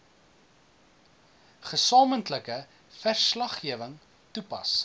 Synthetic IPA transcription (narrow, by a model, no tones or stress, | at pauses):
χəsɑːməntləkə | færslɐχːiəvəŋ | tupɐ̰s